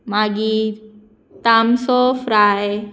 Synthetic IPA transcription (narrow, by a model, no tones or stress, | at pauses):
maɡi | t̪amsofɾae